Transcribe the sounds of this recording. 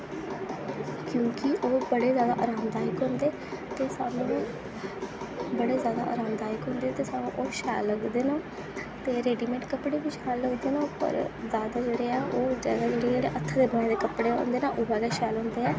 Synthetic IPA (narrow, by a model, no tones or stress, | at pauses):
kjõːkɪʔoːbəɽeːzjaːd̪a̰ːʔa̰ːɾaːmd̪aːjɪkɦõːnd̪eː | t̪eːsaːnũːũː | bəɽeːzjaːd̪a̰ːʔa̰ːɾaːmd̪aːɪkɦõːnd̪eːt̪eːsaːnũːʔoːʃaːlːəɡd̪eːnoː | t̪eːɾeːɖiːmẽːʈkəpɽeːbiʃaːlːəɡd̪eːnõːpə̰ɾzjaːd̪aːd͡ʒeːɽeːaːʔoːd͡ʒɛːɡaːd͡ʒeːɽeːd͡ʒeːɽeːʔət̪ʰːəd̪eːbənɛ̃ːd̪eːkəpɽeːɦo̰ːnd̪eːnaːʔoːbɛːɡaːʃɛːlɦõːnd̪eːɛː